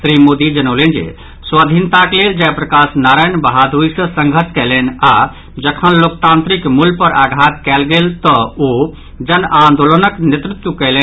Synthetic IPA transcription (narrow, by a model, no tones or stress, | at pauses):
sɾimod̪id͡ʒənəʊlend͡ʒḛ | swad̪ʱint̪akleld͡ʒapɾəkasnaɾajnbəɦad̪uisə̃sə̃ŋɡʱət͡ʃʰkɛlɛna | d͡ʒəkʰənlok̚t̪ãnt̪ɾikmulpəɾaɡʱat̪kɛlɡelt̪əo | d͡ʒənãnd̪olənəknet̪ɾut̪wəkɛle